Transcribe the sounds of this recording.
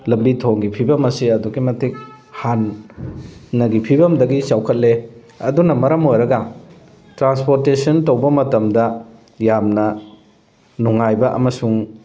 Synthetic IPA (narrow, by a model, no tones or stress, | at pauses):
lɐblitʰoŋɡipʰibɐmɐsiɐduɡimɐtʰik̚ | hanː | ɐɡipʰibɐmdɐɡisawkʰɐt̚le | ɐdunɐmɐɾɐmojɾɐɡɐ | tɾanspoɾtesɐntowbɐmɐtɐmdɐ | jamnɐ | nuŋajbɐʔɐ̰mɐsuŋ